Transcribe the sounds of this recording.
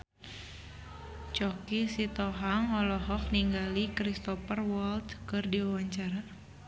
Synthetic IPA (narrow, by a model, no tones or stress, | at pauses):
t͡ʃɔkisit̪ɔɦaŋɔlɔɦɔk̚niŋɡalikɾist̪ɔpərwɔlt̪kɨrdiwawaɲt͡ʃaɾa